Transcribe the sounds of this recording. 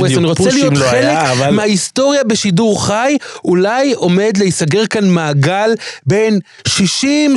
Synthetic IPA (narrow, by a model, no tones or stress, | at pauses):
eaniʁot͡selijomχelekvmeaisto̞ʁjabeʃiduʁχajulajo̞me̞dleisaɡe̞ʁkanmaːɡalbe̞n | ʃiʃim